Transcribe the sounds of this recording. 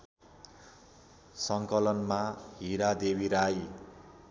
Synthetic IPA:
sʌŋkʌlʌnmaɦiɾad̪ebiɾaj

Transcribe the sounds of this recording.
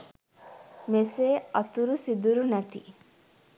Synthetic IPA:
meseːɐt̪uɾusid̪uɾunæt̪i

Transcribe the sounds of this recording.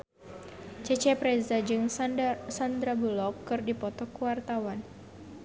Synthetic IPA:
t͡ʃɛt͡ʃɛpɾɛzad͡ʒɨŋsand̪ɾabulɔp̚kːɨrdipɔt̪ɔkuwart̪awan

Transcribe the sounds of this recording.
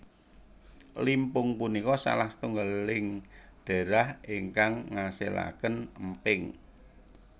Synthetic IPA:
limpʊŋpunikɔsa̰laht̪uŋɡəlɪŋɖ̥a̤ɾahiŋkaŋːasḛla̰kənəmpɪŋ

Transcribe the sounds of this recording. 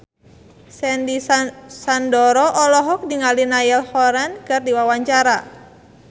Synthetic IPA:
sɛndisandɔɾɔʔɔlɔɦɔk̚diŋalinajɛlhɔɾɛnkɨrdiwawaɲt͡ʃaɾa

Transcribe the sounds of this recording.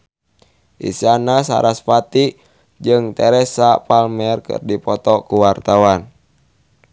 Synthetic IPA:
ʔḭsianasa̰ɾʔaspat̪i | d͡ʒɨŋt̪ɛɾɛsapalmɛrkɨ̰rdipɔt̪ɔkuwart̪awan

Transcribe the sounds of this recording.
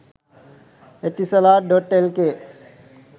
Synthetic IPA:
eʈːisəlaːɾɖɔʈelke

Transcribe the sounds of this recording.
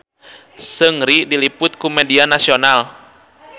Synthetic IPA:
səŋɾidilipʊt̪̚kumɛdianasional

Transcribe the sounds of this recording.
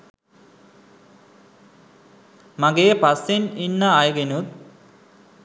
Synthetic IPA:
mɐɡepɐsininːaajɡenut̪̚

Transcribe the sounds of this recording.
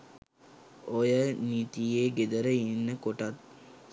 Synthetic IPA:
ojənit̪ijeɡed̪əɾəinːəkoʈat̪̚

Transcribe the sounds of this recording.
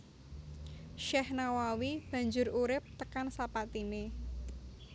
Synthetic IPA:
ʃɛhnawawib̥ä̤ɲd͡ʒʊɾuɾɪp̚t̪əkansapat̪ine

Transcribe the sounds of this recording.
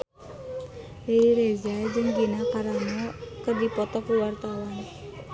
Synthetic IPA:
leiɾezad͡ʒɨŋɡinakaɾanɔkərdipɔt̪ɔkuwart̪awan

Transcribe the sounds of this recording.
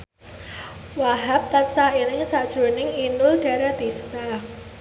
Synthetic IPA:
waɦap̚t̪ansainɪŋsad̥ʒ̥ɾo̤nɪŋinʊlɖ̥a̤ɾad̪ist̪a

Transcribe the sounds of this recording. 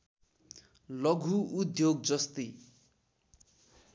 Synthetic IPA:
lʌɡʱuːd̪joɡ̚d͡zʌst̪i

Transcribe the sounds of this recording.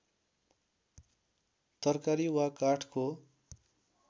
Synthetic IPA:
t̪ʌrkaɾiwakaʈʰko

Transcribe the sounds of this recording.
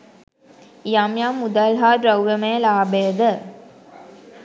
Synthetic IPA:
jamjamːud̪alɦaːdɾɐwɾəmejəlaːbejəd̪ə

